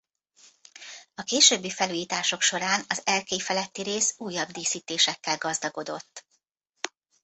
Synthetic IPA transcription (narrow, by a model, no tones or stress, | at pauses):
ɒkeːʃøːbːifɛluːjiːt̪aːʃo̞kʃo̞ɾaːnɒzɛlkeːfɛlɛt̪ːiɾeːsuːjːɒbd̪iːsiːt̪eːʃɛkːɛlɡɒzd̪ɒɡo̞d̪o̞̰t̪ː